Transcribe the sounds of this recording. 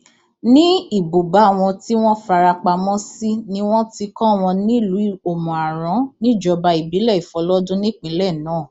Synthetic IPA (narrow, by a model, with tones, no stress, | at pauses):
nĩ˦i˦˨bo˨ba˨˦˨w̃ɔ̃˧ti˦w̃ɔ̃˦fa˧ɾa˧k͡pa˧mɔ̃˦si˦nĩ˦w̃ɔ̃˦ti˧kɔ̃˦˨w̃ɔ̃˧nĩ˦i˦˨lu˨˦o˨mɔ̃˨a˨ɾɔ̃˨˦nĩ˦˨d͡ʒɔ˧ba˧i˨bi˨˦lɛ˦˨i˨fɔ˨˦lɔ˦dũ˦nĩ˦˨k͡pĩ˨˦lɛ˦˨nãː˨˦˨